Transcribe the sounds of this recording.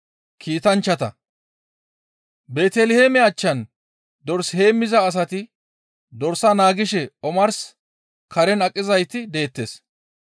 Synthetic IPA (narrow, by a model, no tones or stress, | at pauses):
kiːt̪ɐnt͡ʃːɐt̪ɐ̰ | be̞ːt̪ɛlɪheːmɛaːt͡ʃːɐn | d̪ɔɾshe̞ːmːɪzɐːs̬ɐt̪ɪ | d̪ɔɾsɐnaːɡɪʃɛɔmɐɾs | kɐɾɛnɐkʼːɪzɐjt̪ɪd̪e̞ːt̪ːḛːs